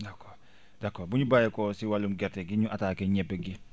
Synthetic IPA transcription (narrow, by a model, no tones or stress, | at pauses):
dakːɔːɾ | dakːɔːbuɲubajekɔsiwalumɡɛɾteɡiɲuʔataːkeɲɛbeɡi